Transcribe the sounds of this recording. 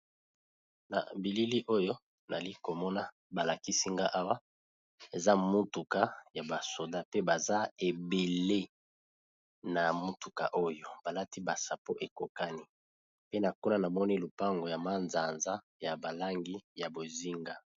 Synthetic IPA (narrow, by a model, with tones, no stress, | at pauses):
na̰˨bi˨li˦li˦ʔo˦jo˦ | na˨li˦ko˨mɔ˦na˦ | ba˨la˨ki˦si˦ŋɡa˦ʔa˦wa˦ | e˨za˦mu˦tu˨ka˦ja˨ba˨so˨da˦pe˦ba˨za˦e˨be˨le˦ | na˨mu˦tu˨ka˨ʔo˦jo˦b̥a˨la˦ti˦ba˨sa˨po˦ʔe˨ko˨ka˦ni˦ | pe˦na˨ko˦na˦na˨mɔ˦ni˦lu˨pa˦ŋɡo˨ja˨ma˦nza˨nza˦ | ja˨ba˨la˦ŋɡi˦ja˨bo˨zi˦ŋɡa˦